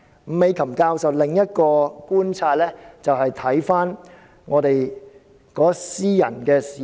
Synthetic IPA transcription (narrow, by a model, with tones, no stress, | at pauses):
m̩˨˥me˨˧jkʰɐ˨˩mkaː˧wsɐ˨wlɪ˨ŋjɐ˥t̚kɔː˧kuː˥nt͡sʰaː˧t̚lɛː˥t͡sɐ˨wɦɐ˨jt̪ʰɐ˨˥jfaː˥n | ŋʔɔː˨˧t̪e˨j | kɔː˨˥siː˥jɐ̰˨˩nkɛː˧siː˨